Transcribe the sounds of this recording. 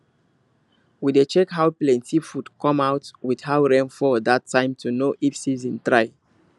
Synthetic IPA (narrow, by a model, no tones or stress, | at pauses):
widet͡ʃɛkɦawplɛ̃ntʰifudkʰɔ̃mawtwid̥hawɹɛ̃nfɔdatʰːãɪ̃mtʰunoʔifsizɔ̃ntɹaɪ